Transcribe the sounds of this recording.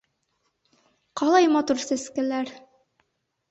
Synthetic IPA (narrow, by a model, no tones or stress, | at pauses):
qɑlˠɑjmɑt̪uɾsɘ̆skɘ̆læɾ